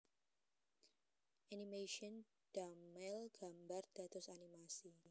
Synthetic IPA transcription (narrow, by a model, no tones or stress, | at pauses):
ʔanimeʃɔn | d̥amɛlɡ̥ambard̪̥a̤t̪ʊsanimasi